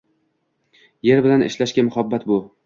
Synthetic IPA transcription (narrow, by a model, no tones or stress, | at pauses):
je̞ɾbɪlanɪ̰ʃlaʃkʲamʊhabːat̪bʊ